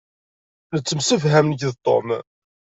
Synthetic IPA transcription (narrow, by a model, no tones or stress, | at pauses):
nət͡sːəmsəfɦæmnəçðt̪ˤːo̰m